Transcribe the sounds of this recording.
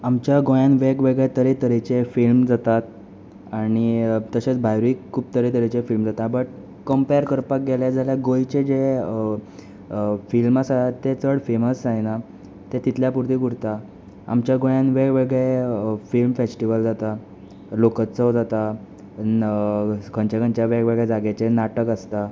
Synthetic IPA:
amt͡ɕjaɡojãnʋeɡʋeɡɭet̪əɾet̪əɾet͡ɕefilmd͡zat̪at̪̚ | aɽ̃it̪əɕet͡sbʱajɾiːkʰːuːbt̪əɾet̪əɾet͡ɕefilmd͡zat̪abəʈ̚ | kəmpeəɾkəɾpak̚ɡeljad͡zaljaɡojt͡ɕed͡ʑe | filmasaat̪ːet͡səɽfeməsːajna | t̪et̪it̪ʰljapuɾt̪iːɡuɽt̪a | a̰mt͡ɕjaɡojãnʋeɡʋeɡefilmfesʈiʋəld͡zat̪a | lokət͡səd͡zat̪a | kʰəɲt͡ɕakənt͡ɕjaʋeɡʋeɡɭed͡zaɡet͡ɕenaʈəkəst̪a

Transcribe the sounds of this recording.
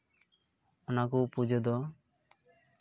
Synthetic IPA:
ɔnakupud͡ʒɔd̪ɔ

